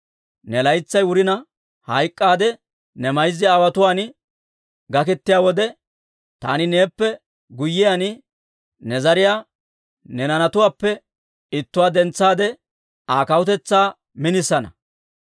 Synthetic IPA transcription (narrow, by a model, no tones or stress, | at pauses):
nɛlɐjt͡sːɐjwʊɾɪnɐ | hɐjkʼːaːd̪ɛ | nɛmɐjzːɪawɐt̪ʊwaːn | ɡɐk̬ɛt̪ːɪjaːwɔd̪ɛ | t̪a̰ːnɪne̞ːpːɛ | ɡʊjːɪjan | nɛzɐɾɪjaː | nɛnɐnɐt̪ʊwaːpːɛ | ɪt̪ːʊwaːd̪ɛnt͡sːaːd̪ɛ | aːkɐwʊt̪̬ɛt͡sːaː | mɪnɪsːɐnɐ̰